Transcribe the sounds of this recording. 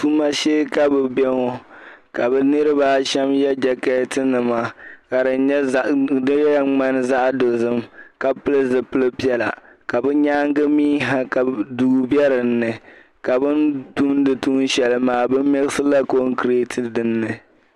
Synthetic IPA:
tu˦ma˦ʃeː˦ka˦bɨ˨bɛ˦ŋɔ˦ka˨bɛ˨nɨ˦ɾɨ˦baː˦ʃɛ˦mjɛ˦d͡ʒɛ˨ka˦tɨ˦nɨ˨ma˨ka˨dɨ˨nɲɛ˦ʔdɨ˦ɣŋ͡ma˦n˦za˦ʔdo˨zɨ˦mka˨pɨ˦lɨ˦zɨ˨pɨ˦lɨ˦pi˦ɛ˦la̰˨ka˨bɛ˦ɲaː˦ŋ˦ɡɨ˦miː˦ɦa˦ka˨du˨bɛ˦ɾɨ˨nːɨ˨ | ka˨bɨ˦ntu˦mdɨ˨tu˦n˦ʃɛ˨lɨ˨maː˨bɨ˦m˦mɛ˦ɣɨ˦sɨ˦la˦ko˦ŋ˦kɨ˨ɾe˦tʰɨ˦dɨ˨nːɨ˨

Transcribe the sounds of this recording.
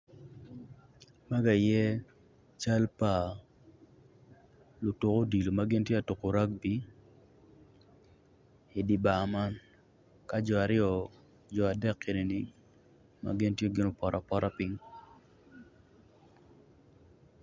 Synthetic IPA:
ma˦ɡa˨jɛ˦ | t͡ʃa˦lpa˨ | lo˨to˨ko˦di˨lo˨ma˦ɡɪ˦ntje˦a˨to˨ko˨ɾa˦k̚bi˦ | i˨di˨ba˨ma˦n | ka˦d͡ʒɔ˨a˨ɾɪɔ˨ | d͡ʒɔ˨a˨dɛ˦˨kːe˨ne˨ni˨ | ma̰˦ɡɪ˦ntje˦ɡɪ˨˦no˨pɔ˨ɾʔa˨pɔ˦ɾa˦pi˦ŋ

